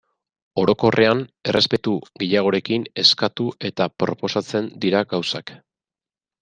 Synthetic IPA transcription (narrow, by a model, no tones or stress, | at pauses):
o̞ɾo̞ko̞rʔe̞ane̞rʔe̞spe̞t̪uɣeʎaɣ̞o̞ɾe̞kine̞skat̪uʔe̞t̪apɾo̞po̞sat͡se̞nd̪iɾaɡawsak